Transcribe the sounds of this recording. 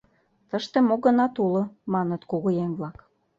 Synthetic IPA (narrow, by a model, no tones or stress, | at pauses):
t̪əʃt̪ĕmoɣə̆nɑt̪ulŏmɑnət̪koɣojemβlɑk